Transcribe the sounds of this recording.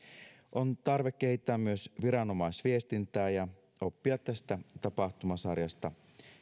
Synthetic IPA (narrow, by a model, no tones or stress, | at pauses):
ʔo̞nt̪ɑrʋe̞kːe̞ɦhit̪ːæːmmyø̞sʋiɾɑno̞mɑisʋie̞st̪int̪æːjɑ | o̞pːiɑt̪t̪ːæst̪æt̪ɑpɑxt̪umɑsɑrjɑst̪ɑ